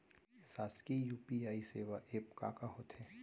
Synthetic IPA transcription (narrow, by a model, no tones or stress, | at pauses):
saːskijuːpiaːiseːʋaʔeːpka̰ːkaɦoːt̪heː